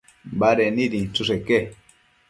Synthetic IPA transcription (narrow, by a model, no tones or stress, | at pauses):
baɾɛniɾit͡susɛkɛ